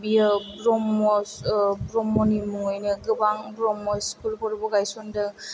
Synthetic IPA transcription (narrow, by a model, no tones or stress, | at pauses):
bijabɾɔmɔsbɾɔmɔnimuŋɔjnɯɡɯbaŋbɾɔmɔskulkɔɾbɔɡajsɔndɯ